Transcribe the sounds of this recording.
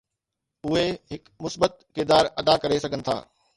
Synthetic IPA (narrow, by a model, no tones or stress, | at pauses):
ʊɦeɦɪkmʊsbət̪̚kɪɾd̪aːɾɐd̪akɐɾesɐɡʱənɪ̆t̪ʰa̰ː